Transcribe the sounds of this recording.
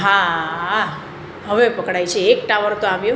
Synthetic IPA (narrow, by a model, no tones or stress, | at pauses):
ɦãa | ɦəʋepəkɽajt͡ʃʰeːkʈaʋəɾt̪oaʋju